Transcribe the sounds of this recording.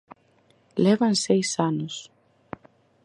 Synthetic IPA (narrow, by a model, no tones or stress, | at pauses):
levɐnseisanos